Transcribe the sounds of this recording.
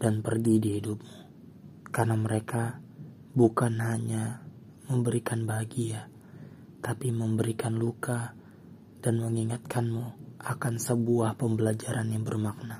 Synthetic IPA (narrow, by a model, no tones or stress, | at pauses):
d̥anpərɡidiɦidup̚mu | karnaməɾeka | bukanɦaɲa | məmbəɾikanbaɡija | t̪apiməmbəɾikanluka | d̥anməŋiŋat̪̚kʰanmuakansəbuahpəmbəlad͡ʒaɾanjaŋbərmak̚na